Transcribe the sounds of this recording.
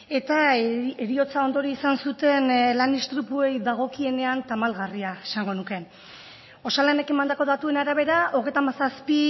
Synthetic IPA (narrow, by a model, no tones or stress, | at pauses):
e̞t̪aeɾio̞t͡sao̞nd̪o̞ɾiisansut̪e̞nlanist̪ɾupue̞jðaɣ̞o̞kie̞ne̞ant̪amalɣariaesaŋɡo̞nuke̞ | o̞salanekemand̪ako̞ðat̪ue̞naɾaβ̞e̞ɾaʔoɣ̞e̞jt̪amasaspi